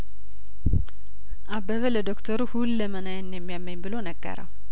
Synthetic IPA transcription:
ʔabəβələd̪okt̪ʰəɾuhulːəmənajənːjɛmːijamːəɲbɨlonəɡːə̰ɾə̰w

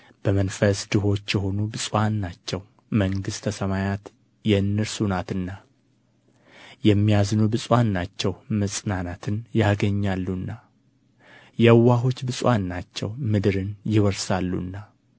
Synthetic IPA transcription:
b̥əmənfəsd̪ɨɦo̞t͡ʃːjɛɦo̞nubɨsʼwanːat͡ʃːɛw | məŋɡɨst̪ʰəsəmajat̪ | jɛɨnːɨɾsunat̪ɨnːa | jɛmːijaznubɨsʼwanːat͡ʃːɛwməsʼnanat̪ʰɨnjaɡəɲːalːunːa | jɛwːaɦo̞t͡ʃːbɨsʼwanːat͡ʃːɛwmɨd̪ɨɾɨnjɪwəɾsalːṵnːa

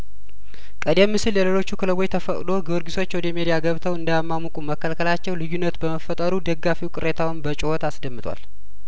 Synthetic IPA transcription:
kʼəd̪emːɨsɨljɛle̞lo̞t͡ʃːukʰɨləβo̞jt̪ʰəfəkʼd̪o̞ɡəwɔɾɡiso̞t͡ʃːwɔd̪əmed̪ijaɡəβt̪ʰəwɨnd̪əjamːamukʼuməkʰːəlkʰəlat͡ʃːɛwlɨjːunːət̪bəməfət̪ʼəɾud̪əɡːafiwkʼɨɾet̪ʰawɨnbət͡ʃʼɪhot̪asd̪əmːɨt̪ʼwa̰l

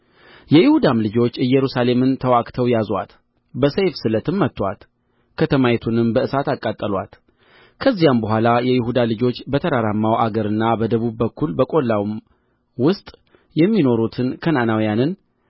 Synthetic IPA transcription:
jɛjɪhud̪amlɨd͡ʒo̞t͡ʃːɨjːɛɾusale̞mɨnt̪ʰəwakʼt̪ʰəwjazwa̰t̪ | bəsejfsɨlət̪ʰɨmːət̪ːwa̰t̪ | kʰət̪ʰəmajt̪ʰunɨmbəɨsat̪akʼːat̪ʼːəlwa̰t̪ | kʰəzːijambəɦʷalajɛjɪɦud̪alɨd͡ʒo̞t͡ʃːbət̪ʰəɾaɾamːawʔaɡəɾɨnːabəd̪əβubːəkʰːulbəkʼo̞lːawm | wʊst̪ʼ | jɛmːino̞ɾut̪ʰɨnkʰənanawijanɨn

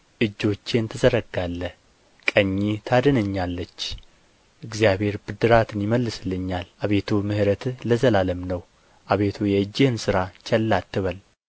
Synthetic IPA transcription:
ʔɨd͡ʒːo̞t͡ʃːent̪ʰɨzəɾəɡalːə | kʼəɲːit̪ʰad̪ənəɲːalːət͡ʃː | ʔɨɡzijaβhe̞ɾbɨd̪ɨɾat̪ʰɨnjɪməlːɨslːɨɲːalʔaβe̞t̪ʰumɨhɾət̪ʰləzəlaləmnəw | ʔaβe̞t̪ʰujɛɨd͡ʒːɪhɨnsɨɾat͡ʃʰɛlːat̪ːɨβəl

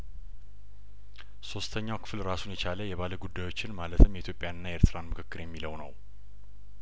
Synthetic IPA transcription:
so̞st̪ʰəɲːawkʰɨ̥flɾasunjɛt͡ʃaləjɛβaləɡud̪ːajo̞t͡ʃːɪnmalət̪ʰɨmjɛit̪ʰjo̞pʼjanɨnːajeɾt̪ʰɨɾanmɨkʰɨkːɨɾjɛmːiləwnə̰w

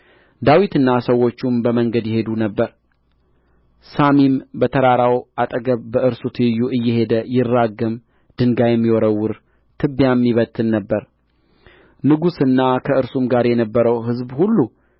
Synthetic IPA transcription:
d̪awit̪ɨnːasəwːo̞t͡ʃːumbəməŋɡəd̪jɛɦe̞d̪unəbːəɾ | samimbət̪ʰəɾaɾawʔat̪ʼəɡəβbəʔɨɾsut̪ʰɨjːuʔɨjːɛhe̞d̪əjɪrːaɡəm | d̪̥ɨŋɡajɛmːiwoɾəwːʊɾ | t̪ʰɨbjamːiβət̪ʰʼːɨnːəbːəɾ | nɨɡusɨnːakʰəɨɾsumɡaɾjɛnəbːəɾəwɦɨzbhulːu

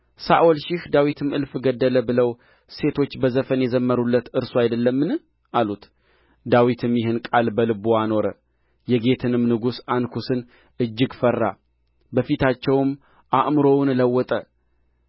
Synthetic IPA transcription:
sa̰ʔɔlʃɪhd̪awit̪ʰɨmɨlfɡəd̪ːələbɨləw | se̞t̪ʰo̞t͡ʃːbəzəfənjɛzəmːəɾulːət̪ɨɾsoajd̪əlːəmːɨnɨ | ʔalut̪ | d̪awit̪ʰɨmjɪɦɨnkʼalbəlɨboano̞ɾə | jɛɡe̞t̪ʰɨnɨmnɨɡusankʰusɨn | ʔɨd͡ʒːɪɡfərːa̰ | bəfit̪ʰat͡ʃːɛwm | ʔaʔmɨɾo̞wnləwːɔt̪ʼə

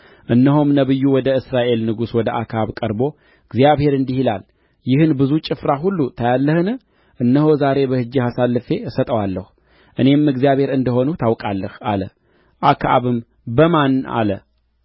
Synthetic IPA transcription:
ʔɨnːəɦomnəβɨjːuwɔd̪əɨsɾaʔe̞lnɨɡuswɔd̪əʔakʰaβkʼəɾbo̞ | ɨɡzjaβhe̞ɾɨnd̪ihila̰l | jɪhɨnbɨzut͡ʃʼɪfɾaɦulːut̪ʰəjalːəhɨnɨ | ʔɨnːəho̞zaɾe̞bəhɨd͡ʒːihasalːɨfe̞sət̪ʼəwalːəhu | ʔɨne̞mːɨɡzijaβhe̞ɾɨnd̪əɦo̞nut̪ʰawkʼalːəha̰lə̰ | ʔakʰa̰βɨm | bəmana̰lə

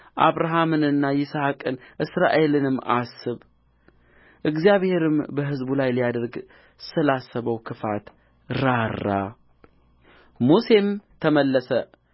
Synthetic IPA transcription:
ʔa̰βɾaɦamɨnɨnːajɪsahakʼɨnʔɨsɾaʔe̞lɨnɨmːasɨβ | ʔɨɡzijaβhe̞ɾɨmbəɦɨzbulajlijad̪əɾɡ | sɨlasːəβəwkʰɨfat̪ | ɾarːa | muse̞mt̪ʰəməlːəsə

